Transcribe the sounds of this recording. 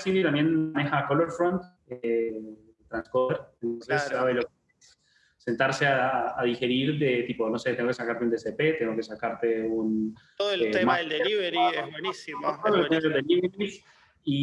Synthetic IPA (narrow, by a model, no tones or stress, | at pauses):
siðjot̪ambje̞nane̞xakoloɾfɾond̪ | e | t̪ɾanskoβeɾent̪onsesːaβeloke | se̞nt̪aɾse̞aːðixe̞ɾiɾðe̞t̪ipo̞no̞se̞t̪eŋɡokesakaɾt̪eunesepe̞t̪e̞ŋɡoke̞sakaɾt̪e̞un | maiɾawenisit̪olokeeŋɡlod̪eliβɾis | i